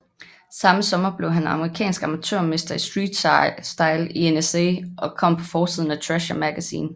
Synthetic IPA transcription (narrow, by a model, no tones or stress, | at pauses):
sɑ̈məsɒ̽mɐb̥le̝ʊɦænɑ̈məʁikʰɛ̰ːnsɡ̥ɑ̈mæt͡sʰø̰ɐ̰me̝sd̥ɐisd̥ʁiːd̥sd̥ɑ̈ɪlienesḛːʔɒ̽kʰɒ̽m̰pʰɒ̽fɒːsiðˠn̩æt͡sʰʁæʃɒmæɡ̥æsḭːn